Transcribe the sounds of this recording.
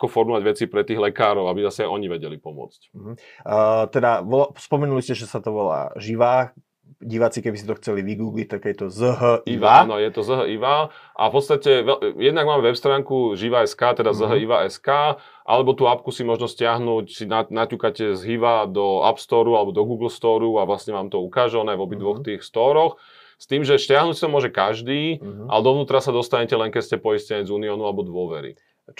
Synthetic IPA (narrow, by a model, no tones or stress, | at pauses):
akɔfɔɾmɔʋaɟʋɛt͡siːpɾɛt̪iːɣlɛkaːɾɔʊabizasɛajɔɲiʋɛɟɛlipɔmʊɔ̰t͡sc̩ɦ̩ | t̪ɛd̪aʋɔlaspɔmɛnuliscɛʒɛsat̪ɔʋɔla̰ːʒiʋaː | ɟiʋat͡sikɛbisit̪ɔxt͡sɛliʋiɡuːɡlic̚t̪aɡjɛt̪ɔzəɦəiʋaaanɔjɛt̪ɔzəɦəʔiʋaːʔa̰fpɔt̪st̪acɛʋɛjɛd̪naɡmaːmɛʋɛpst̪ɾaːŋkuʒiʋaɛskaːt̪ɛd̪azəɦəiʋaʔɛskaː | ʔa̰lɛbɔt̪uːapkusimɔʒnɔscɪaɦnucsinanacuːkacɛzɦiʋad̪ɔa̰pst̪ɔːɾualɛbɔd̪ɔɡuːɡl̩st̪ɔːɾuaʋlasɲɛʋaːmt̪ɔukaːʒɛɔnajʋɔbid̪ʋɔxt̪iːxst̪ɔːɾɔx | st̪iːmʒɛscɪaɦnuːcsit̪ɔmʊɔːʒɛkaʒd̪iːʔa̰ɛd̪ɔʋnuːt̪ɾasad̪ɔst̪aɲɛcɛlɛnŋkɛscɛpɔiscɛɲɛd͡zuːniɔːnualɛbɔd̪ʊɔʋɛɾḭ